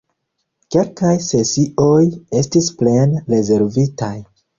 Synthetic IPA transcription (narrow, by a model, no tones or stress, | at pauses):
ke̞lkajse̞siʔo̞je̞stisple̞nɾe̞ze̞ɾvitaj